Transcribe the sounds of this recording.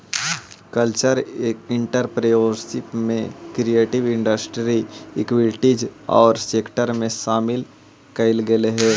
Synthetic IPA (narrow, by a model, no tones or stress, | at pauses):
kəlt͡ʃəɾɪ̃ɳʈəɾpɾejoɾsɪpmẽkɾieːʈɪʋɪ̃ɳɖəsʈɾiɪkwɪlʈid͡ʒɔ̰ːɾseːkʈəɾmẽʃaːmɪl | kɐɪlɡeleɦɛː